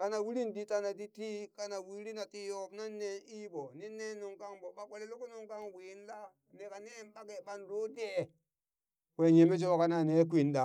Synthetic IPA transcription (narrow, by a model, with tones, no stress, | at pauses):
ka˨na˨wi˦li˦ndi˦ta˦˨na˨di˦ti˦ka˦na˨wi˦ɾi˦na˨ti˦jo˦˨bna˦nːe˨ni˦ɓo˨ni˦ne˦nu˨ŋka˦ŋɓo˨ɓa˨kʷe˨le˦lo˦ku˦nu˨ŋka˦ŋwi˨˦n˦la˦ | ne˨ka˨ne˦nɓa˦ke˨ɓa˦nɾo˦de˦˨ | we˦ɲe˨me˦t͡ʃ̬e˦o˦ka˦na˦˨ne˨˦k̬ʷi˨nda˨